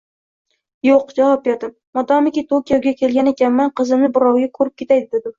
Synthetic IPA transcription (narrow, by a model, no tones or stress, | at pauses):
joq̚d͡ʒavɒp̚beɾd̪ɪmːɒd̪ɒmɪkʲit̪ʰokʲijoɡʲakʲʰe̞lɡʲanekʲanmanqɨzɪmnɪbɪɾɒwɡʲakʰɵɾɪp̚kʲe̞t̪ʰajd̪ɪd̪ed̪ɪ